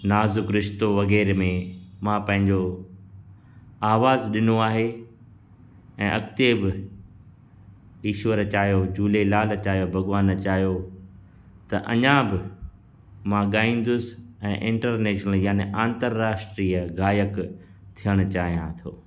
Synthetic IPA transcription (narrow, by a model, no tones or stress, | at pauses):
naːzʊkɾɪʃt̪oʋɐɣɛːɾmẽmãpɐ̃ɦɪ̃ɲd͡ʑo | aːʋaːzɗɪnoaːɦe | ɛ̃ːʔɐkt̪ebɪ | iːʃʋəɾt͡ɕaːɦjod͡ʑuːlelaːlt͡ɕaːɦijobʱɐɣʋaːnt͡ɕaːɦijo | t̪ɐʔɐ̰ɲãbɪ | mãɠaːĩn̆d̪ʊsɛ̃ːʔɪ̃ɳʈəɾneːʃnəljaːneʔãːnt̪əɾːaːsʈɾiːəɣaːjəkt̪ʰijəɽ̃ʊt͡ɕaːɦijãt̪ʰoː